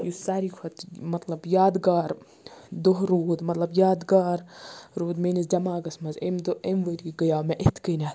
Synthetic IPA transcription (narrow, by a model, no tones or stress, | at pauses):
jusaːɾikʰɐt̪mɐt̪lɐbjaːd̪ɡaːɾ | d̪oɦɾoːd̪mɐt̪lɐbjaːd̪ɡaːɾɾoːd̪meːnisd͡ʒʲɐmaːɡɐsmɐzemd̪oemʋəɾiɡɐjaːmeʔet̪ʰkəːnʲa